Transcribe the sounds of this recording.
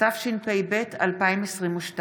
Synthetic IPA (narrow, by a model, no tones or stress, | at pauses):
afʃilpejbe̞tʰa̰lpaimesʁimuʃta